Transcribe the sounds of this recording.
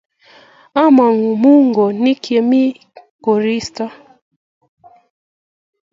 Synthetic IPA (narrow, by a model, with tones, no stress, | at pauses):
a˦ma˨ŋu˨mu˦ŋɡɔ˨ni˦kɛ˨mi˦ | kɔ˨ɾi˦sta˦